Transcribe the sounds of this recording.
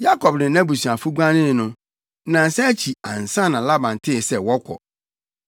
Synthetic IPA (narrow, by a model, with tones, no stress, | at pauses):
ja˦kɔ˨bnɪ̃˨˦nã˦bu˨su˨a˨fʊ˦ɡʷa˦nɪ̃˦˨nʊ̃˦ | nã˨n˨sɛ̃˦æ˦t͡ɕʰi˨ã̰˨n̩˨sã˦nã˨la˦bã˨n˨tʰɪ˦˨sɛ˨wɔ˦kʷʰɔ̰˨